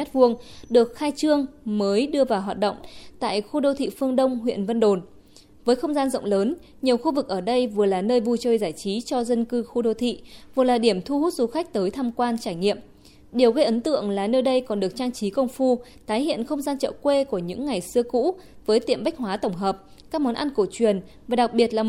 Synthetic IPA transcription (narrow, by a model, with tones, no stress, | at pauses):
a˦˥t̚vu˧əŋɗɨ˨˩ək̚xaː˧jt͡ɕɨ˧əŋməː˨˦jɗɨ˧əvaː˨˩wɦwaː˨˩t̚ɗə̰˧˨wŋ͡mt̪a̰ː˧˨jxu˧ɗo˧wt̪ʰḭ˧˨fɨ˧əŋɗə˧wŋ͡mɦwḭ˧˨ənvə˧nɗo˨˩n | vəː˨˦jxə˧wŋ͡mzaː˧nzə̰˧˨ŋ͡mləː˨˦n | ɲi˨˩əwxu˧vɨ˨˩k̚ʔəː˧˩ɗə˧jvɨ˨˩əlaː˨˩nəː˧jvu˧t͡ɕəː˧jzaː˧˩jt͡ɕi˨˦t͡ɕɔ˧zə˧nkɨ˧xu˧ɗo˧wt̪ʰḭ˧˨vɨ˨˩əlaː˨˩ɗi˧˩əmt̪ʰu˧hu˦˥t̚zu˨˦xa˦˥k̟̚t̪əː˨˦jt̪ʰaː˧mkwaː˧nt͡ɕaː˧˩jŋḭ˧˨əm | ɗi˧˩əwɣə˧jʔə˨˦nt̪ɨ̰˧˨əŋlaː˨˩nəː˧jɗə˧jkɔ˨˩nɗɨ˨˩ək̚t͡ɕaː˧ŋt͡ɕi˨˦kə˧wŋ͡mfu˧ | t̪aː˨˦jhḭ˧˨ənxə˧wŋ͡mzaː˧nt͡ɕə̰ː˧˨kwe˧ku˧˩əɲɨ̰˧˥ŋːa˨˩jsɨ˧əkṵ˧˥ | vəː˨˦jt̪i˧˨əmɓa˦˥k̟̚hwaː˨˦t̪ə˧˩wŋ͡mɦəː˨˩p̚ | kaː˦˥k̚mɔ˨˦nʔa˧nko˧˩t͡ɕwi˨˩ən | vaː˨˩ɗa˨˩k̚ɓi˨˩ət̚laː˨˩